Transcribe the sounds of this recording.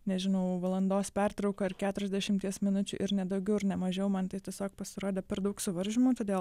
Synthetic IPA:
nʲɛʒʲɪnɐʊʋɐlˠɐnd̪oːspʲɛrt̪ɾɒʊkɐːɪrkʲæːt̪ʊɾʲɛzʲdʲɛʃʲɪmʲt̪ʲiɛsmʲɪnʊt͡ʃʲʊ̰ːʔɪɾnʲɛd̪ɐʊɡʲɛʊɪɾnʲɛmɐʒʲɛʊmɐnt̪ɐɪtʲiɛsʲoːk̚pɐsʲɪɾoːd̪ʲeːpʲɛɾd̪ɐʊksʊʋɐɾʲʒʲɪmuːt̪oːd̪ʲeːlˠ

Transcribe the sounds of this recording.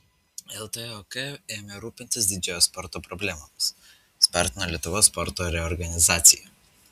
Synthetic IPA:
ɛlˠt̪ɛokɛeːmʲɛɾuːpʲɪnʲt̪ʲɪs̬ʲd̪ʲɪd͡ʒʲɛjoːspɔɾt̪oːpɾɔbʲlʲɛːmoms | sʲpʲɑˑɾʲt̪ʲɪnɐlʲiɛt̪ʊʋoːspɔɾt̪oːɾʲɛɔɾɡɐnʲɪzaːt̪sʲɪjɛ

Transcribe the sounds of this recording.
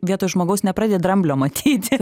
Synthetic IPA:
ʋʲiɛt̪oːjʒmoːɡɐʊsnʲɛpɾɑːd̪ʲed̪ɾɐmʲbʲlʲoːmɐt̪ʲʰiːt̪ʲ

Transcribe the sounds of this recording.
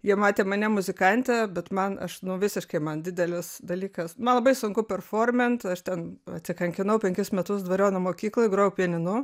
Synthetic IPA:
jiɛmɑːt̪ʲeːmɐnʲɛmʊzʲɪkɐnʲt̪ʲɛbʲɛt̪mɐnɐ̰ʃnʊʋʲɪsʲɪʃkɐɪmɐnd̪ʲɪd̪ʲɛlʲɪsd̪ɐlʲiːkɐsmɐnlˠɐbɐɪsʊŋkʊpʲɛrfoːrʲmʲɛnt̪ɐʃt̪ʲɛnɐ̰t̪ʲsʲɪkɐŋʲkʲɪnɐʊpʲɛŋʲkʲɪsmʲɛt̪ʊsd̪ʋɐɾʲoːnɐmoːkʲiːklˠoɪɡroʊpʲiɛnʲɪnʊ

